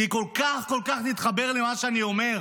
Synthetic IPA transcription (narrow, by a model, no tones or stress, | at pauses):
iko̞lkaχko̞lkaχnit̪χabe̞ʁlemaʃeanio̞me̞ʁ